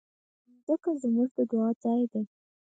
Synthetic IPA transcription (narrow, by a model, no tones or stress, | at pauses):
zəkazmuʐd̪əd̪ʊɑd͡zɑjd̪e